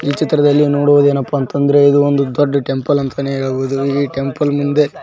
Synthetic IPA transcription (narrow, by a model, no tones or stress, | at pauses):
iːt͡ʃit̪ːɾɐd̪ɐlːinoːɽuʋd̪e̞ːnɐpːɐːnt̪ɐnd̪ɐɾe̞id̪uond̪ud̪oɖːɐʈe̞mpɐlɐnt̪ʰɐneːeːɭboːd̪uiːʈe̞mpɐlmund̪e̞